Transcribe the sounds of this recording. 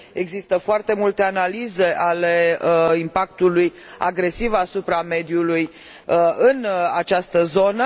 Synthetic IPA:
e̞ɡzist̪əfoart̪e̞mult̪e̞analize̞ʔale̞impak̚t̪uluj | a̰ɡɾe̞sivasupɾame̞d̪juluj | ɨnat͡ʃast̪əzo̞nə

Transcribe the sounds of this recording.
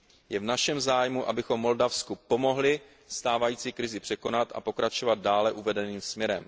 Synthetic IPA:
jɛvnaʃɛmzaːjmuʔa̰bɪxo̞mːo̞ldafskupo̞mo̞ɦlɪ | st̪aːvajiːt͡siːkɾɪzɪpr̝̥ɛko̞nat̪ʔa̰po̞kɾat͡ʃo̞vad̪̚daːlɛʔuvɛdɛniːmsmɲɛɾɛm

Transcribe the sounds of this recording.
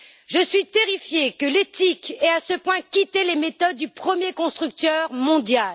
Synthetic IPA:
ʒəsɥit̪eʁifjekəlet̪ikɛasəpwɛ̃kʲit̪elemet̪ɔd̪ːypχəmjekɔ̃st̪χyk̚t̪œʁmɔ̃d̪jal

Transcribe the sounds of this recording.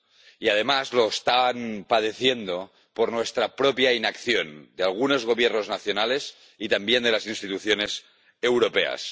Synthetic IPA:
iað̞emazlo̞est̪aβanpað̞eθjend̪o̞ | poɾnwest̪ɾapɾopjainakθjo̞nd̪ealɣ̞unozɣ̞o̞βjeɾnoznaθjonales | it̪ambjend̪elasinst̪it̪uθjone̞s | ewɾopea̰s

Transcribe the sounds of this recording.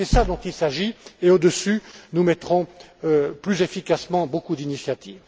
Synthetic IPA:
sɛsad̪ɔ̃t̪ilsaʒieod̪əsynumɛt̪χɔ̃øplyzefikasmɑ̃bokud̪inisjat̪iːv

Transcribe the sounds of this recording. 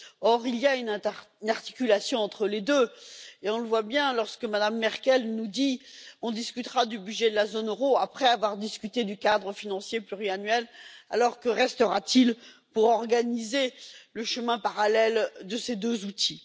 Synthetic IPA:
ɔʁilijaynnaʁt̪i̥kʲylasjɔ̃ɑ̃t̪χəled̪øeɔ̃ləvwabjɛ̃lɔʁskəmad̪amːɛʁkʲɛlnud̪iɔ̃d̪iskʲyt̪χad̪ybyʒɛd̪əlazonøʁoapχɛavwaʁd̪iskʲyt̪ed̪ykad̪ʁəfinɑ̃sjeplyʁianɥɛla̰lɔʁkəʁɛst̪əʁat̪il | puʁɔʁɡanizeləʃəmɛ̃paʁalɛld̪əsed̪øzut̪ʰi

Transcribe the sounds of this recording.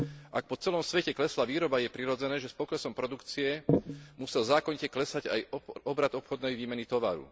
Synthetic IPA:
ʔak̚pɔt͡sɛlɔmsʋɛcɛklɛslaʋiːɾɔbajɛpɾiɾɔd͡zɛnɛːʒɛspɔklɛsɔmpɾɔd̪ukt͡siɛmusɛlzaːkɔɲicɛklɛsaɟa̰jɔbɾad̪ɔpxɔd̪nɛjʋiːmɛnit̪ɔʋa̰ɾṵ

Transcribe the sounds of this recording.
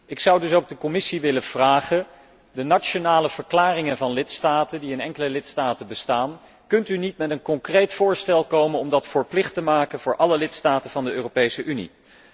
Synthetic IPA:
ʔɪksʌwdɵsowɡ̚dəkɔmɪsiʋɪləv̥raːχə | dənat͡ʃonaːləv̥əɹklaːrɪŋənvɑnlɪtstaːtəndiɪnɛŋkələlɪtstaːtənbəstaːn | kɵntynitmɛtənkɔŋkrejtfʊːɹstɛlˠkowmənɔmdɑtfəːɹplɪχtəmaːkənvʊːɹʔɑləlɪtstaːtənv̥ɑndəøːropejsəʔynḭ

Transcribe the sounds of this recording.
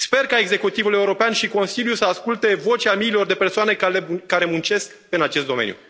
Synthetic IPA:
spe̞rkae̞ɡze̞kut̪ivule̞uɾo̞peanʃiko̞nsiljusəaskult̪e̞vo̞t͡ʃʲamiːlo̞rd̪e̞pe̞rsoane̞eːaɾe̞munt͡ʃe̞sk | ɨnat͡ʃe̞st̪d̪o̞mḛnjṵ

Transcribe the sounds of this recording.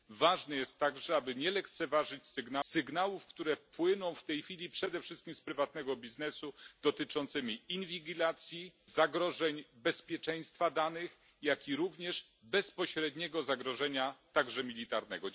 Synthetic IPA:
vaʐnɛjɛst̪ːaɡʐɛabɘɲɛlɛkt̪sɛvaʐɘt͡ɕsɘɡnasɘɡnawufkt̪uɾɛpwɘnɔ̃w̃ft̪ɛjfʲilʲipʂɛd̪ɛfʂɘst̪̚kʲimspɾɘvat̪̚nɛɡɔbʲiznɛsud̪̥ɔt̪ɘt͡ʂɔnt̪sɘmʲiinvʲiɡʲilat̪sʲjizaɡɾɔʐɛɲbɛspʲjɛt͡ʂɛj̃st̪fad̪anɘx | jakʲiɾuvɲɛʐ | bɛspɔɕɾɛd̪ɲɛɡɔzaɡɾɔʐɛɲat̪aɡʐɛmʲilʲit̪aɾnɛ̰ɡɔ

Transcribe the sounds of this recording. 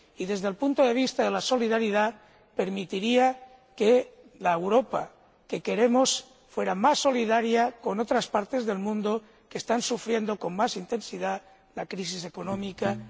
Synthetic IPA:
iðe̞zðelpunt̪oðe̞β̞ist̪aðelaso̞liðaɾiða | pe̞ɾmit̪iɾia | ke | laewɾo̞pa̰ | ke̞ke̞ɾemos | fwe̞ɾamasːo̞liðaɾjako̞no̞t̪ɾaspaɾt̪e̞zðe̞lmũnd̪o | kest̪ansufɾje̞nd̪o̞ko̞nmasint̪e̞nsiða | lakɾis̬is̬e̞konõmika

